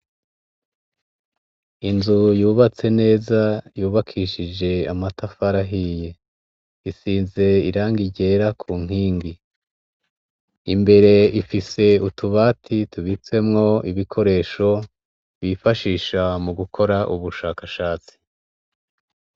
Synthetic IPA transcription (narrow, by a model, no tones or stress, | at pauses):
inzujuːβat͡se̞ne̞ːzajuːβakʰiːʃid͡ʒe̞amatafaɾaɦije̞ | isiːnze̞iɾaːŋɡiɟe̞ːɾakʰuːŋ̥iːŋɡi | imbe̞ɾe̞ifise̞utuβaːtʰituβit͡se̞mŋo̞iβikʰo̞ɾe̞ːʃo̞ | βifaʃiːʃamuɡukʰo̞ɾaʔuβuʃaːkaʃaːt͡si̥